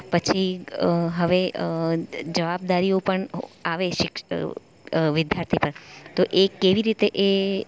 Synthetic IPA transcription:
pət͡ʃʰi | ɦəʋe | d͡ʒəʋab̚d̪aɾiopəɳaʋeʃɪk | ʋɪd̪jaɾt̪ʰipəɾt̪oʔekeʋiɾit̪eʔe

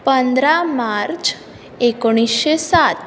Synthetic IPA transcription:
pənd̪ɾamaɾt͡ɕ | ekoɽ̃isɕesat̪

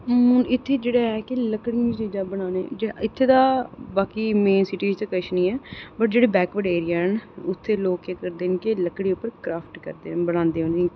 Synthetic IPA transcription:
ʊnɪt̪ʰːeːd͡ʒeːɽaːɛːkɪləkɽĩit͡ʃiːd͡ʒaːbəɽãːnḛd͡ʒɪt̪ʰːeːd̪aːbaːkiːmeːnsɪʈiːd͡ʒt̪ekəʃnĩːɛːbəʈd͡ʒeːɽeːbɛːkʋəɖeːɾiːaːɦənʊt̪ʰːeːloːkekəɾd̪eːnkeləkɽiːʊpːəɾkɾaːpʰʈkə̰ɾd̪ḛːbəɽ̃ãːnd̪eːɦõnĩ

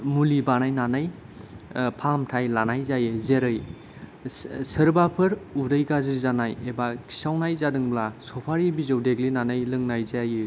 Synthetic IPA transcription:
mulibanajnanaj | pʰamtʰajlanajzajɯzeɾɯj | səɾbapʰɯɾudəjɡaziɾzanajebakʰi̥sawnajzadɯŋblasɔpʰaɾibizɯwdeɡlinanajlɯŋnajzajɯ

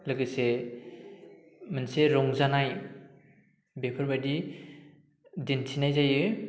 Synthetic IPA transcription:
lɯɡɯse | manseɾɔŋzanaj | bepʰɯɾbadi | dintʰinajzajɯ

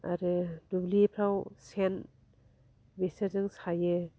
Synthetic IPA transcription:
aɾɯdublipʰɾawsen | besazɯŋsajɯ

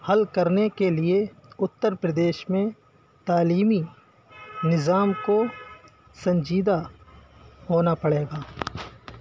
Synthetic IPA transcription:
hɐlkɐɾnekelie | ʊt̪ːəɾpɾɐd̪eːʃmẽ | t̪aːliːmi | nɪzaːmko | sɐ̃ɲd͡ʒiːd̪a | ɦoːnapɐɽeːɡaː

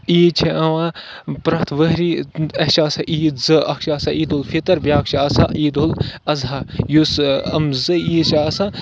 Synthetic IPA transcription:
iːt͡ʃʰiɐʋã | pɾɐt̪ʰʋəɦɾiɐhʃaːsaʔiːzɨɐkʃaːsaiːd̪olfʰit̪ɐɾbʲjaːkʃaːsa̰ʔiːd̪olɐzajusɐ̰mzɨiːʃaːsa

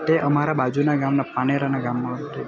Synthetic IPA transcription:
t̪eʔəmaɾabad͡ʒunaɡamnapaɽ̃eɾanaɡamːãɦət̪e

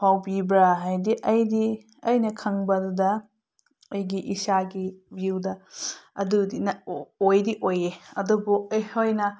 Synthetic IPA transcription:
pʰawbibɾaɦajdiʔɐjdi | ɐjnɐkʰɐŋbɐdudɐ | ɐjɡiʔisaɡibiwdɐɐdudinɐojdiʔojeɐdubujhojnɐ

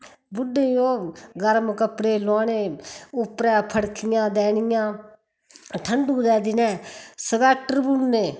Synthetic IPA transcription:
bʊɖeioːɡəɾmkəpɽeːlãːneːʊpɾɛ̃ːpʰəɽkʰɪjãːd̪ɛːnɪjãː | ʈʰəɳɖuːd̪ɛːd̪ɪnɛ̃ːsəbɛːk̚ʈəɾbunːeː

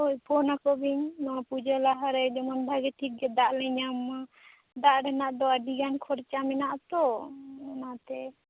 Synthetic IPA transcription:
ojpʰɔnakɔbiɲnɔpud͡ʒalaɦaɾɛd͡ʒɔmɔnd̪ʱaɡɛʈʰik̚ɡɛd̪aʔlɛɲam | d̪aʔɖɛnaʔd̪ɔaɖiɡankʰɔɾt͡ʃamɛnaʔt̪ɔɔnat̪ɛ

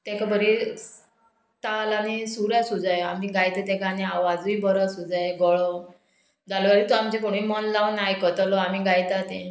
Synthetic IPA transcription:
t̪ẽkabəɾi | t̪alanisuɾjasud͡zajamiːɡajt̪et̪ẽkanĩaʋad͡zibɔɾasud͡zajɡɔɭɔ | d͡zalɔʋaɾit̪uamt͡ɕekoɽ̃ũimɔnlaʋnajkət̪əlɔam̤iɡajt̪at̪ẽ

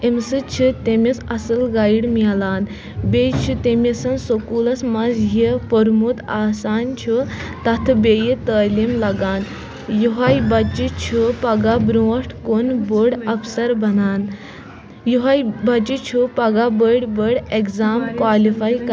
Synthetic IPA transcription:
emsɨt͡ɕʰit̪emisasəlɡajiɽmilan | bet͡ʃʰit̪emisənsokuləsmazjepəɾmut̪aːsant͡ɕʰut̪at̪ʰbejit̪əlimlaɡan | juɦajbat͡ɕit͡ɕʰupaɡabɾɔʂʈkonboɽɐfsəɾbɐnan | juɦajbat͡ɕit͡ɕʰupaɡabəɽbəɽekzamkʋalifajk

